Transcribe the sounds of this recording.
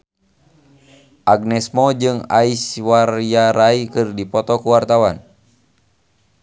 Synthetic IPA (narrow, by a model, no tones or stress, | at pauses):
ʔaɡnɛsmɔd͡ʒɨŋa̰iswarijaɾaikɨrdipɔt̪ɔkuwart̪awan